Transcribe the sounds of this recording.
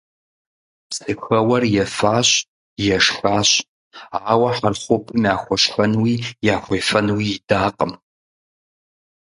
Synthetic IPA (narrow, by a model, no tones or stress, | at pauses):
psʼɨxɐwɐrjɛfaːɕ | jɛʂxaːɕ | aːwɐħarχʷʊpʰʼɨmaːxʷɔʂħɐnwijaːxʷejfɐnwiidaːqʼəm